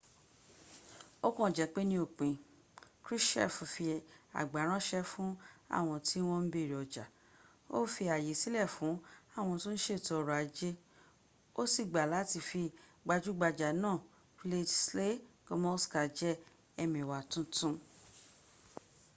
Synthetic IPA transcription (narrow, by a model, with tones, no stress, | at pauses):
o˦kɔ̃˦˨d͡ʒɛ˨˦k͡pe˦nĩ˦o˦˨k͡pẽ˨ | kɾi˦ʃɛ̰˦˨fũ˨fi˧a̰˨ɡ͡ba˨˦ɾ̃ã˦ʃɛ˧fũ˦a̰˦˨w̃ɔ̃˧ti˦w̃ɔ̃˦n̩˦be˦˨ɾi˨ɔ˨d͡ʒa˨ | o˦fi˧a˨je˨˦si˦lɛ˦˨fũ˨˦a˦˨w̃ɔ̃˧tũ˦ñ̩˦ʃe˦˨tɔ˧ɾu˨a˨˦d͡ʒe˦ | o˦si˦˨ɡ͡ba˨la˨˦ti˧˨fi˧ɡ͡ba˧d͡ʒu˦ɡ͡ba˧d͡ʒa˨nãː˦˨ | fle˦dsle˦˨ɡo˧mɔ˦ska˨d͡ʒɛ˦ | ɛ˧mĩ˨wa˨tũ˦tũ˦